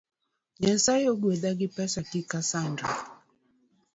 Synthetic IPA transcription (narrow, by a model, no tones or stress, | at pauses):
ɲɛnsajoɡwedaɡɪpɛsakikasandɔ